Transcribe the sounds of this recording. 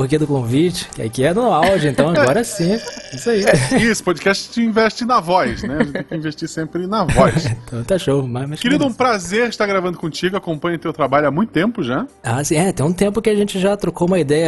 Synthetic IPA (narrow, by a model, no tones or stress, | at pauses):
oɾked̪ʊkõvit͡ʃɪ̥kɪa̰kiɛnʊawd͡ʒɪẽnt̪ɐ̃w̃aɡɔɾɐsĩisaiisʊ̥pod͡ʒikɛʃt͡ʃɪ̥t͡ʃɪĩvɛʃt͡ʃɪnɐvɔjʃnɛʒẽteẽkkɪĩveʃt͡ʃisẽmpɾɪnɐvɔjʃt̪ɐ̃w̃t̪aʃowmameʃkɪɾid̪ʊũpɾazeɾɪʃt̪aɾɡɾavɐ̃nd̪ʊkõt͡ʃiɡʊakõmpɐ̃ɲɐt̪ewt̪ɾabaʎʊamũj̃t̪ʊ̥t̪ẽmpʊʒaasĩɛt̪ẽj̃ũt̪ẽmpʊkɪaʒẽnt͡ʃɪʒat̪ɾokoũmɐid̪ɛjɐ